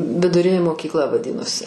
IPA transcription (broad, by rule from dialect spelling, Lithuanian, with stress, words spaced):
ʋʲɪdʊˈrʲɪnʲeː moːkʲiːkˈlˠɐ ʋɐˈdʲɪnoːsʲɪ